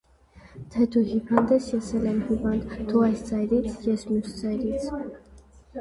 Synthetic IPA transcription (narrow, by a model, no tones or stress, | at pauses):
t̪ʰɛt̪ʰuhipind̪ɛsjɛsɛlɛmhivɑnd̪t̪ʰuɑjst͡sɑjɾit͡sʰjɛsmjusd͡zɑjɾit͡sʰ